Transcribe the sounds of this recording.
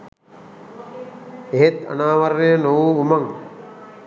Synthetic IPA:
eɦet̪a̰naːʋaɾːejənoʋuːumaŋ

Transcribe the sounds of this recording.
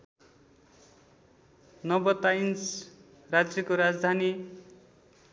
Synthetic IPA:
nʌbʌt̪ajns | rad͡zjʌkoɾad͡zd̪ʱani

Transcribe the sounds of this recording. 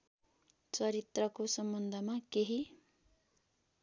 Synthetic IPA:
t͡sʌɾit̪rʌkosʌmbʌnd̪ʱʌmakeɦi

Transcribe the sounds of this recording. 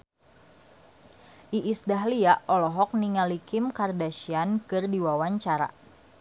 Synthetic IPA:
ʔiʔːsdaɦliaʔɔlɔɦɔk̚niŋalikɪmkardaʃiankɨrdiwawaɲt͡ʃaɾa̰

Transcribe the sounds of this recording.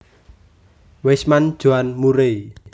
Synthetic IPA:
wesmand̥ʒ̥uanmuɾei

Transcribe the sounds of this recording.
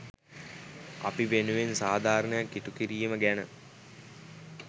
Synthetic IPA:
ɐ̰piʋenuʋensaːd̪ʱaːɾəɳəjakːiʈukiɾijiməɡænə

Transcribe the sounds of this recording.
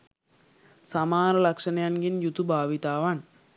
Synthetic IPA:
samaːɾəlakʂənəjanɡinjut̪ubʱaːʋit̪aːʋan

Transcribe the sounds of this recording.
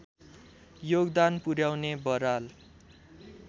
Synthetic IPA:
joɡd̪anpuɾjawnebʌɾal

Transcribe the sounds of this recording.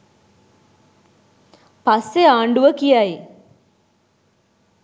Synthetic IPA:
pasːeaːɳɖuʋəkijaj

